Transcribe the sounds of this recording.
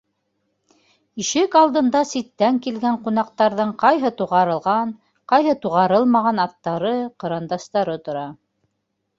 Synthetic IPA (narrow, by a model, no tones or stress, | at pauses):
iʃɘkɑlˠd̪ɤ̆nd̪ɑsit̪ːæŋkilɡæɴqun̪ɑqt̪ɑɾðɤɴqɑjɦɤt̪uʁɑɾɤ̆lˠʁɑn | qɑjɦɤt̪uʁɑɾɤlˠmɑʁɑnɑt̪ːɑɾɤqɤ̆ɾɑnd̪ɑst̪ɑɾɤt̪ŏɾɑ